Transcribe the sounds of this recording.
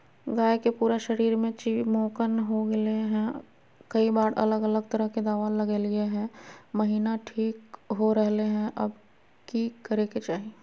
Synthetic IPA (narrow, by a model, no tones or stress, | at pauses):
ɡaːjkepuːɾaʃəɾiːɾmẽt͡ʃimoːkənɦoɡɐeɦɛ̃ | kɐibaːɾɐ̰ləɡələɡ̚t̪ɐɾəɦked̪aːʋaləɡelɪeɦɛ̃məɦiːnaʈʰiːkɦoɾəɦleɦɛ̃ʔɐb | kikɐɾeket͡ʃaːɦi